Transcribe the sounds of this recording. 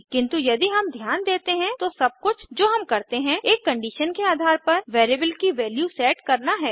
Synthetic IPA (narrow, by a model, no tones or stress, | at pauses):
kɪ̃nt̪ujɐd̪iɦɐmd̪ʱjaːnd̪eːt̪eɦɛ̃t̪osɐb̚kʊt͡ʃʰd͡ʒoːɦɐmkɐɾt̪eɦɛ̃eːkːɐ̃ɳɖiːʃənkeaːd̪ʱaːɾpɐɾʋɛːɾebəlkiʋɛːljusɛːʈkɐɾnaɦɛː